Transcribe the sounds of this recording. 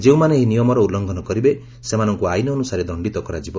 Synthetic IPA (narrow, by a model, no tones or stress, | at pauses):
d͡ʒeũmaneːɦinijɔmɔɾɔulːɔŋɡʱɔnɔkɔɾibe | semanɔŋkuajnɔɔnusaɾed̪ɔɳɖit̪ɔkɔɾad͡ʒibɔ